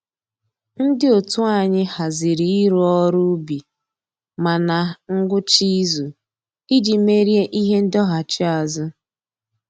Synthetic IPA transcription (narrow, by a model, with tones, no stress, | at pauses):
n̩˦dɪ˦o˨tu˦a˦˨ɲɪ˦ha˨zɪ˨ɾi˨i˦ɾu˦ɔ˦ɾʊ˦bi˨ | ma˨na˨ŋ̩˦ɡʷʊ˦t͡ʃi˦zu˨ | i˦d͡ʒi˨me˦ɾje˦ʔi˦ɦe˦n̩˦dɔ˦ɦa˨t͡ʃi˦a˨zʊ˦